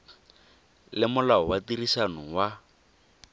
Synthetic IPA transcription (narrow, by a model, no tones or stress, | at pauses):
lɪmʊlaɔwatiɾisanɔwa